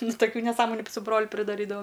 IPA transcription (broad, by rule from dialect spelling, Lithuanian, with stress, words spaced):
nʊ tɐˈkʲuː nʲɛˈsɑːmoːnʲʊ sʊ ˈbroːlʲʊ pʲrʲɪdɐˈrʲiːdɐʋɐ